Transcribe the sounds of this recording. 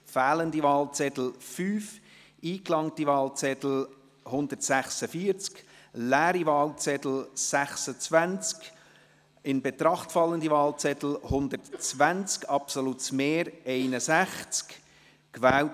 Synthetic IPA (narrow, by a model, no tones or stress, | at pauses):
fæːləndivɑːlt͡sɛtl̩fyːf | iːklɑŋtiʋɑːlt͡sɛtl̩ | hʊndəɾtsæχsəfiːəɾt͡sk | læːɾivɑːlt͡sɛtl̩sæχsət͡svænt͡sk | ɪnbɛt̪ɾɑχtfɑlːəndivɑːlt͡sɛt̪l̩hʊnd̪ətt͡svænt͡skɑpsolutsmeːɾɛɪnəsæχt͡sk | kʋæːl